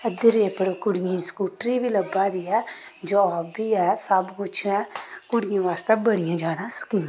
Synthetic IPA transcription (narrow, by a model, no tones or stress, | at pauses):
əd̪ɪɾeːpəɽkʊɽɪjãːskuːʈɾiːbiːləbːaːd̪iːɛːd͡ʒoːbiːɛːsəbkʊt͡ʃʰɛ̃ːkʊɽɪjãːʋaːst̪eːbəɽɪjãːd͡ʒaːnãːsə̥kĩːã